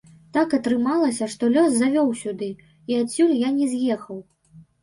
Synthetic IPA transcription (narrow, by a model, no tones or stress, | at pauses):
t̪akɐt̪ɾɨmalˠɐsʲɐʂt̪ɔlʲɔszavʲɔwsʲud̪ɨ | iat͡sʲːulʲjanʲɛzjɛxɐw